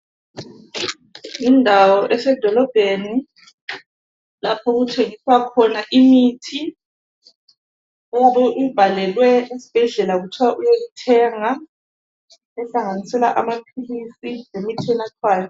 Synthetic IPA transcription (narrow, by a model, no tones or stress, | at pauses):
indʱawɔʔɛsɛd̥ʱɔlɔb̥ʱeni | lapʰɔɣutʰeŋiswakʰɔnaʔimitʰi | ɔwaβɛʔub̥ʱalɛlwɛisi̥b̥ʱɛɮɛlaɣutʰwaʔujeɣutʰɛŋa | ɛɬaŋanisɛla̰ʔamapʰilisilemitʰiɛnatʰwaːjɔ